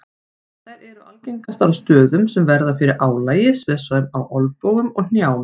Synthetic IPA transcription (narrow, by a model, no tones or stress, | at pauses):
a | t̪aɾɛɾʏa̰lcejŋkast̪alst̪œːðʏmsɛmvɛɾðafɪɾɪɾʔaːwlaːjɪsvɪðsaʏmawʔɔlpoːwɣʏmɔɣn̥jaːwn